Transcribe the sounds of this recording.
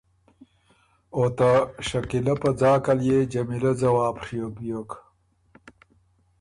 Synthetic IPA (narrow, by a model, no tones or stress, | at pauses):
ot̪ɐʂɐkilɐpɐd͡zaːkɐljed͡ʑɐmilɐd͡zɐwaːpʂijobijok